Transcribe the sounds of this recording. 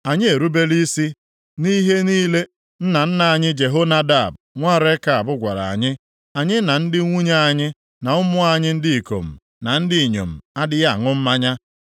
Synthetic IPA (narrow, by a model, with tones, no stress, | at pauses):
a˨ɲɪ˦e˨ɾu˦be˦li˦si˦ | ni˦ɦe˦niː˦le˦ | n̩˦na˨n̩˦na˨a˨ɲɪ˦d͡ʒe˨ɦo˦na˦da˦˨b | ŋʷa˦˨ɾe˦ka˨a˨bʊ˦ɡʷa̰˨ɾa̰˨a̰˨ɲɪ˦ | a˨ɲɪ˦na˨n̩˦dɪ˦ŋʷu˦ɲa˦a˨ɲɪ˦ | na˨ʊ˦mʊ˦a˨ɲɪ˦n̩˦dɪ˦i˨ko̰˨m̩˨ | na˨n̩˦dɪ˦i˨ɲo̰˨m̩˨a˦dɪ˦ja˦˨ŋʊ˦m̩˦ma˦ɲa˦